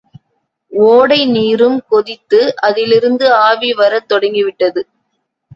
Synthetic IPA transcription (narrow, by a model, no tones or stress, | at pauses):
oːɽɐɪniːɾɯmkɔðɪt̪ːɯʔɐðɪlɪɾɯnd̪ɯaːʋiʋɐɾɐt̪ːɔɽɐŋɡɪʋɪʈːɐðɯ